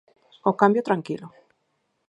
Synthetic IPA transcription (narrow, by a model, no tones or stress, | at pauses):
okambjot̪ɾaŋkilo